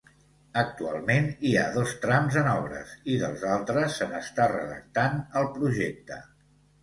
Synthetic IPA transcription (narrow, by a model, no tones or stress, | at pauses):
ək̚t̪ua̰lˠmeniaðost̪ɾamzənɔβ̞ɾə̰siðə̰lˠzalˠt̪ɾəsːəməst̪arə̰ðə̰k̚t̪anəlˠpɾuʒek̚t̪ə